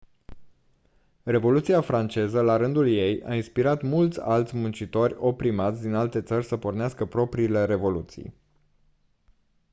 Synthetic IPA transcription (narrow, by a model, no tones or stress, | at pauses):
re̞vo̞lut̪siafɾant͡ʃe̞zəlaɾɨnd̪ulje̞ja̰inspiɾat̪mult̪sʲa̰lt̪sʲmunt͡ʃit̪o̞rʲo̞pɾimat̪sʲd̪inalt̪e̞t̪sərʲsəpo̞rneaskəpɾo̞pɾiːle̞ɾe̞vo̞lut̪sḭj